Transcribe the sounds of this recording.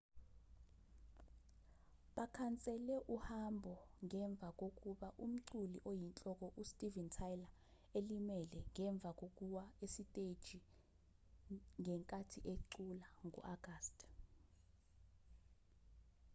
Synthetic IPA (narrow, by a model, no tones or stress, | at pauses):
ɓakʰant͡sʼɛlɛʔuhambʱɔŋɛɱb̪vʱak̬ʼok̬ʼuɓaʔum̩ǀulḭʔojint͡ɬʼɔk̬ɔʔustʼivɛntʰajla | elimɛlɛŋɛɱb̪vʱak̬ok̬ʼuwaesitʼed̥ʒ̥ʱi | ŋɛŋkʼatʰiʔeǀulaŋṵʔaɡ̥aːstʼ